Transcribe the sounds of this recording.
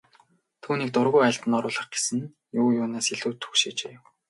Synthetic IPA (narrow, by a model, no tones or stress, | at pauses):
t̪ʰuːniːk̚t̪ʊrɣʊjæɬʲt̪ɘ̆nɔɾʊːɮə̆χɡ̥esɘ̆n | jʊːjʊːnaːseɮuːt̪ʰxu̥kʃeːt͡ɕeːw